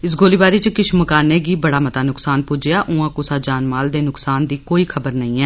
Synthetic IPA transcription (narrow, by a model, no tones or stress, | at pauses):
ɪs̬ɡoːliːbaːɾiːt͡ʃəkɪʃʰməkaːneːɡiːbəɽaːmət̪aːnʊksaːnpud͡ʒejaːʔʊ̃ãːkʊsaːd͡ʒaːnmaːld̪eːnʊksaːnd̪iːkoːiːkʰəbəɾnəĩːɛː